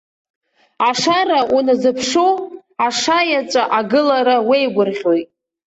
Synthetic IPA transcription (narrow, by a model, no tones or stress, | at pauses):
aʂaraʔunazɨpʰʂo | aʂajat͡ʃʷʼaʔaɡɨlaɾawejɡʷʊrʁʲojtʼ